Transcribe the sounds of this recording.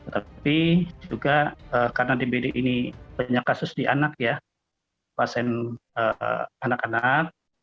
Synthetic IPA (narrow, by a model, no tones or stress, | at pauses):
t̪ət̪apid͡ʒuɡaəːkaɾənadibedeʔinipaɲakasʊsdiʔanak̚ja | pasɛnə̰anakanak̚